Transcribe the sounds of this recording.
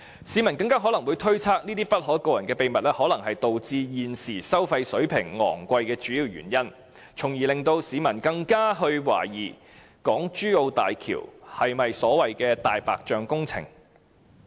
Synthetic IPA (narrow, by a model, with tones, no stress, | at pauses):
siː˨˥mɐ˨˩nkɐ˧ŋkaː˥ɦɔ˨˥lɐ˨˩ŋwu˨˧jt̪ʰɵ˥ɥt͡sʰaː˥k̚niː˥t̪iː˥pɐ˥t̚hɔː˨˥jkoː˧wjɐ˨˩nkɛː˧pe˨˧jmɐ˨t̚lɛː˥hɔː˨˥lɐ˨˩ŋɦɐ˨jt̪o˨wt͡siː˧jiː˨˩nsiː˨˩sɐ˥wfɐ˧jsɵ˨˥ɥpʰɪ˨˩ŋːɔ̰ː˨˩ŋkʷɐ˧jkɛː˧t͡ʃyː˨˥jiː˧wjy̰ː˨˩njɐ˥n | t͡sʰʊ˨˩ŋjiː˨˩lɪ˨ŋt̪o˧wsiː˨˧˥mɐ˨˩nkɐ˧ŋkaː˥ɦɵ˧ɥwa̰ː˨˩jiː˨˩ | kɔː˨˥ŋt͡ʃyː˥o˧wt̪a̰ː˨jkʰḭː˨˩whɐ˨jmɐ˨jsɔː˨˥wɐ˨jkɛː˧t̪aː˨jpa̰ː˨k̚t͡ʃœː˨ŋkʊ˥ŋt͡sʰɪ̰˨˩ŋ